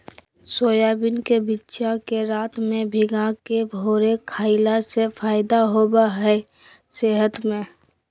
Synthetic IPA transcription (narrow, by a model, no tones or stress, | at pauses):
soːjaːbɪnkebitːʃakeɾaːt̪mẽbʱɪɡakebʱoːɾekʰaːɪlasefʰaːɪd̪aɦoːbaɦɛ | seɦət̪mẽ